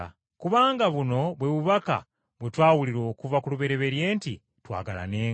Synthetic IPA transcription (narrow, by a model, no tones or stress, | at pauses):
kuβaːŋɡaβuno̞βwe̞βuβaka̰ | βwe̞twaːwuliɾo̞ːkuvakuluβe̞ɾe̞βe̞ɾje̞ːnti | twa̰ːɡala̰ne̞ːŋ